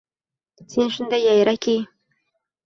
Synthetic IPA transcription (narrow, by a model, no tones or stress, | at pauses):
sinʂɨnd̪ajajɾakʲi